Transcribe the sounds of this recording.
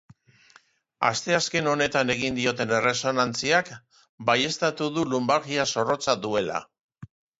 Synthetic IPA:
a̰st̪e̞aske̞no̞ne̞t̪ane̞ɣind̪io̞t̪e̞ne̞re̞so̞nant͡siak | baje̞st̪at̪uðulumbaɾɣiaso̞ro̞t͡saðue̞la̰

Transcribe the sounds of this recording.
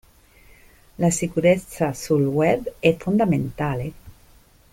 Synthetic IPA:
lasikuɾet̪sasulwɛbɛfund̪amẽnt̪ale

